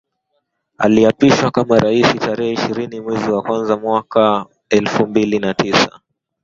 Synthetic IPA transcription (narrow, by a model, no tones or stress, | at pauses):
a̰liapiʃwakamaɾʔaisitaɾɛhɛiʃiɾinimwɛziwakwanzamwaka | ɛlfumbilinatisa